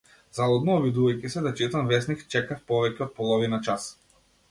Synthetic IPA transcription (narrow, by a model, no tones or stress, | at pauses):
zalˠɔd̪nɔːbid̪uvajcisɛd̪at͡ʃit̪ɔnvɛsnixt͡ʃɛkafpɔvɛcʲɛɔot̪̚pɔlˠɔvinat͡ʃas